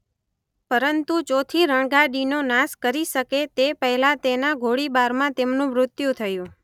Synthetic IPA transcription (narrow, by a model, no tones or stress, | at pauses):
pəɾənt̪ud͡ʒot̪ʰiɾəɳɡaɖinonaskəɾiʃəket̪epəɦlãt̪enaɡʱoɽibaɾmãt̪emnũmɾʊt̪jũt̪ʰəjũ